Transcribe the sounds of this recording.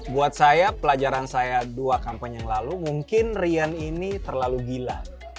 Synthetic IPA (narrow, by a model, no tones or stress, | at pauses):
buat̪̚sajapəlad͡ʒaɾansajaduakampaɲjaŋlalumuŋkɪnrianinit̪ərlalubila